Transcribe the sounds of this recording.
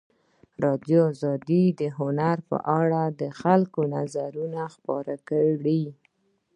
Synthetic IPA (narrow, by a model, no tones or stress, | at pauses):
ɾɑd̪joɑzɑd̪id̪əɦʊnaɾpə̰ʔaɽad̪əxalkonazaɾunaxpɑɾakəɽi